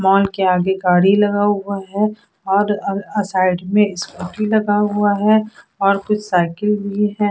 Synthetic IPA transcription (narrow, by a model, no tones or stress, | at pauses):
mɔːlkeaːɡeɡaːɽilɐɡaɦʊaɦɛ | ɔːɾɐsaːɪɖmẽɪskoːʈilɐɡaɦʊaɦɛɔːɾkʊt͡ʃʰsaːɪkɪlbʱiɦɛ̃ː